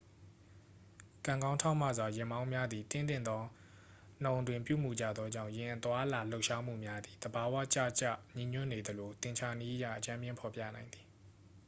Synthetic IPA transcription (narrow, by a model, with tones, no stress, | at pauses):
kã˨ŋɡã˦ʊ̃tʰã˦ʊ̃m̥ä̰˦˨zwa˨jɪ̃˨mã˦ʊ̃mja˦d̪i˨t̪ɪ̰̃˦˨nt̪ɪ̰̃˦˨d̪ɔ˦ | n̥ã˨ʊ̃ndwɪ̃˨mpjṵ˦˨m̥ṵ˨d͡ʑa̰˦˨d̪ðɔ˦d͡ʑã̰˦˨ʊ̃jɪ̃˨ʔət̪wa˦ʔla˨lo˦ʊʔʃa˦m̥ṵ˦˨mja˦d̪i˨d̪̥əba˨wa̰˦˨t͡ɕa̰˦˨t͡ɕa̰˦˨ɲĩ˨ɲʊ̰˦˨ne˨d̪əlo˨t̪ɪ̃˨ɲt͡ɕʰa˨ni˦ʔəja̰˦˨ʔət͡ɕã˦mjɪ̃˦˨pʰɔ˨pjä̰˦˨nã˨ɪ̃nd̪ði˨